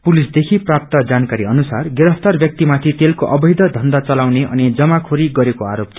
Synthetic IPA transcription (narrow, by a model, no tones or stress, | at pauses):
pulisd̪ekʰiprap̚t̪ʌd͡zankaɾiʌnusarɡeɾʌpʰt̪ʌrbjʌk̚t̪imat̪ʰit̪elkoʔʌbʌjd̪ʌd̪ʱʌnd̪at͡sʌlawneʔʌ̰nid͡zʌmakʰoɾiɡʌɾekoa̰ɾop